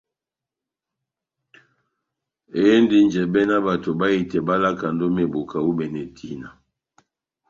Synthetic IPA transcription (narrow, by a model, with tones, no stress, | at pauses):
e˦e˦ndi˦n˨d͡ʒɛ˨bɛ˦na˦ba˨to˨ba˦i˨tɛ˨ba˦la˦ka˨ndo˦me˨bo˨ka˨wu˦bɛ˨nɛ˨tʰi˨˦na˨